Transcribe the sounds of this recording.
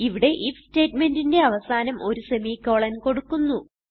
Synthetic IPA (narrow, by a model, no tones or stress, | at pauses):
iʋiɽe̞ʔifste̞ːtme̞ndinde̞ɐʋɐsaːnɐmo̞ɾuse̞miːkːoːɭɐnko̞ɽukːunːu